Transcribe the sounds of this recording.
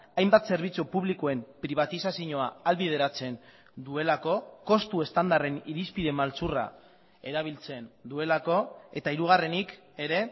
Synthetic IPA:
ajmbat̪se̞ɾβ̞it͡supuβlikoe̞mpɾiβ̞at̪isasiɲo̞aalβið̞e̞ɾat͡se̞n | d̪ue̞lako̞ko̞st̪uest̪and̪are̞niɾispiðe̞malt͡sura̰ | e̞ɾaβ̞ilt͡se̞nd̪ue̞lako̞e̞t̪aiɾuɣ̞are̞nik | e̞ɾe̞

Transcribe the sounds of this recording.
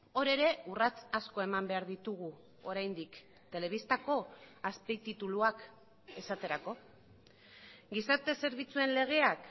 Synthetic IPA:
o̞ɾe̞ɾe̞urat͡sasko̞e̞mambe̞aɾðit̪uɣ̞u | o̞ɾajnd̪ik | t̪e̞le̞β̞ist̪ako̞aspejt̪it̪uluak | e̞sat̪e̞ɾako̞ | ɡisaɾt̪e̞se̞ɾβ̞it͡sue̞nle̞ɣ̞e̞ak

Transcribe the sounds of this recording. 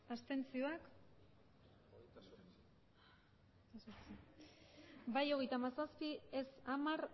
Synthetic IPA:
ast̪e̞nt͡sio̞ak | t̪asoɾt͡si | bajo̞ɣ̞e̞jt̪amasaspiesamaɾ

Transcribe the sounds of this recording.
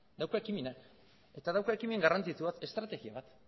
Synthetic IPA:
d̪awkaekimena | e̞t̪aðawkaekimeeŋɡarant͡sit͡suβat̪e̞st̪ɾat̪e̞ɣiaβat̪

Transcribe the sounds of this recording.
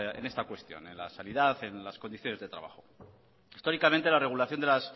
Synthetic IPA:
ḛne̞st̪akwe̞st̪jo̞̰ne̞nla̰saniðaθe̞nlasko̞niθjo̞ne̞zðe̞t̪ɾa̰βa̰xo̞ | ist̪o̞ɾikamẽnt̪elare̞ɣ̞ulaθjond̪elas

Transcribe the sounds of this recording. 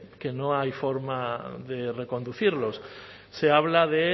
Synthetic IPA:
kenõŋajfoɾmaðerekond̪uθiɾlos | seaβlaðe

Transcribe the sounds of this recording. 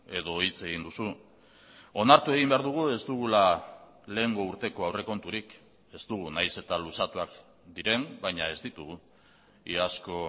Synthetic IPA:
e̞ðo̞it͡se̞ɣind̪usu | o̞naɾt̪ue̞ɣimbe̞aɾðuɣ̞ue̞zt̪uɣula | le̞ːŋɡo̞uɾt̪e̞ko̞awre̞ko̞nt̪uɾik | e̞zt̪uɣ̞unajse̞t̪alusat̪uak | d̪iɾe̞mbajɲae̞zd̪it̪uɣu | iasko̞

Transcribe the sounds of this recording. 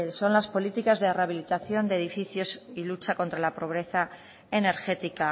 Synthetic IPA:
so̞nlaspo̞lit̪ikazðe̞raβ̞ilit̪aθjo̞nd̪eːð̞ifiθjo̞silut͡ʃako̞nt̪ɾalapɾo̞β̞ɾe̞θa | e̞ne̞ɾxe̞t̪ika

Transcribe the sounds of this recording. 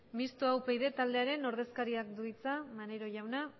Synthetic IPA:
mist̪oawpejðe̞t̪ald̪e̞aɾe̞no̞ɾðe̞skaɾiakd̪uit͡samane̞ɾo̞ʝawna

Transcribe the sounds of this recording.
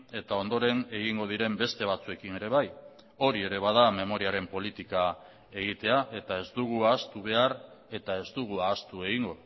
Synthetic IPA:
e̞t̪ao̞nd̪o̞ɾe̞ne̞ɣ̞iŋɡo̞ðiɾe̞mbe̞st̪e̞β̞at͡sue̞kine̞ɾe̞β̞aj | o̞ɾie̞ɾe̞β̞að̞ame̞mo̞ɾiaɾe̞mpo̞lit̪ika | e̞ɣit̪e̞aʔe̞t̪ae̞zd̪uɣ̞uaːst̪uβ̞e̞aɾ | e̞t̪ae̞zd̪uɣ̞uaːst̪ue̞ɣiŋɡo̞

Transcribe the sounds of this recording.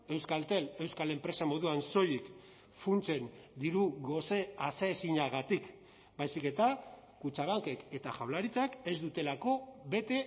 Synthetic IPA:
e̞wskalt̪e̞le̞wskale̞mpɾe̞samo̞ðuanso̞jik | funt͡se̞nd̪iɾuɣo̞se̞aseːsiɲaɣ̞at̪ik | bajsike̞t̪a | kut͡ʃaβaŋke̞ke̞t̪a̰ʝawlaɾit͡sake̞zd̪ut̪e̞lako̞βe̞t̪e̞

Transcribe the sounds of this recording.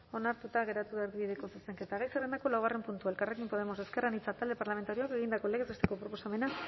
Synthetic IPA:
o̞naɾt̪ut̪aɣe̞ɾat̪uβaɾðiβiðe̞ko̞suseŋket̪aɣajsere̞nd̪ako̞lawɣare̞mpunt̪uaelkare̞kimpo̞ð̞e̞mo̞se̞ske̞ranit͡sat̪ald̪e̞paɾlame̞nt̪aɾio̞ake̞ɣ̞ind̪ako̞leɣe̞zest̪eko̞pɾo̞po̞same̞na

